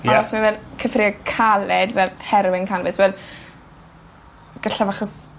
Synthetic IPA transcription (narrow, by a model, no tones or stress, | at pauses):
aɔsmavɛlˠkʰəfrɪɔkʰalɛdvɛlhɛɾwɪnkʰanəbɨsvɛlˠ | ɡ̥əɬavaχɔs